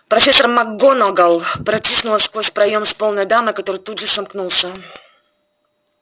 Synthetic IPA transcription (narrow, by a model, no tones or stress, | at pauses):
pɾɐfʲe̞sːərmɐɡonoɡalˠpɾɐtʲisnʊlˠəskvosʲpɾɐjomspolˠnəjd̪amɨkɐt̪o̞ɾɨjt̪udʐɨsɐmknulˠsʲə